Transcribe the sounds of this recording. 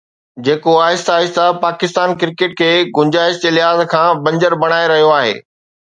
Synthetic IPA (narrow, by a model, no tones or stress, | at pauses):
d͡ʑeːkoaːɪst̪aːɦɪst̪apaːkɪst̪aːnkɪɾkeʈ̚kʰeːɡʊ̃ɲd͡ʑaːɦɪst̪ɪlɪɦaːzkʰãːbɐ̃ɲd͡ʑəɾbɐɽ̃aːeɾɐɦijoaːɦḛː